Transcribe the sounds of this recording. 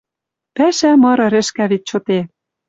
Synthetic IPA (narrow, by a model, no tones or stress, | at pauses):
pæʃæmɤ̆ɾɤ̆ɾɘ̆ʃkæβit̪̚t͡ɕot̪e